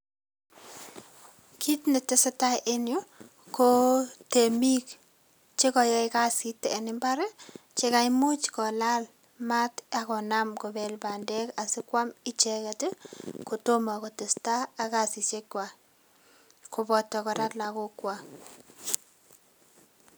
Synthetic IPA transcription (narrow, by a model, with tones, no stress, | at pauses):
kʰi˦tnɪ˨tɪ˦sɪ˦ta˦ʔe˦njo˦ | ko˦te˨mi˦k | t͡ʃe˦kɔ˨jɛ˦ɪka˦si˦tːɛː˨nɪ˦mba˦ɾɛ˦t͡ʃe˦ka˦jmu˦t͡ʃkɔ˨la˦l | ma˦ta˨kɔ˨na˦mkɔ˨bɛ˨lba˨ndɛ˦ka˨sɪ˦kwa˦mɪ˦t͡ʃɛ˦kɛ˨tɪ˦ko˨to˦ma˨kɔ˨tɪ˨staː˦˨ka˨si˨t͡ʃe˦kwa˨ | ko˨bɔ˨tːɔ˨kɔ˨ɾa˦tla˨ko˦kwa˦